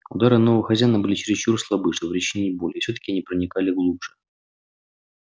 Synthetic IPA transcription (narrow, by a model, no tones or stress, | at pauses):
ʊ̰d̪aɾɨnovəvəxɐzʲæjnəbɨlʲɪt͡ɕɪɾʲɪst͡ɕurslˠɐbɨʂt̪obɾʲɪt͡ɕɪnʲeɪbolʲɪjəfsʲot̪ə̥kʲɪɐnʲipɾənʲɪkalʲɪɡlˠupʐ̥ɨ̥